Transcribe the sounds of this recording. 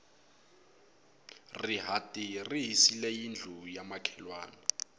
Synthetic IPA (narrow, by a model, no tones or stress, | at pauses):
riɦatʼiriɦisilɛjind͡ɮʱujamakʰɛlwaːni